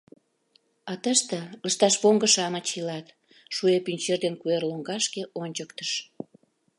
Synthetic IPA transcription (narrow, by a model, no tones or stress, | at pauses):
ɑt̪əʃt̪eləʃt̪ɑʃβoŋɡəʃɑmət͡ɕilɑt̪ | ʃuepynʲt͡ɕerd̪enkuerloŋɡɑʃkeʔonʲt͡ɕəkt̪əʃ